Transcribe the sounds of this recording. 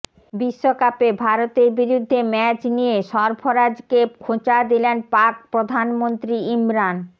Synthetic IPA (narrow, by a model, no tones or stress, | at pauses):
biʃːokapebʱaɾot̪eɾbiɾud̪ʱːemɛt͡ɕnijeʃɔɾbʰʱoɾad͡ʑkekʰot͡ɕad̪ilenpak̚pɾod̪ʱanmont̪ɾiimɾan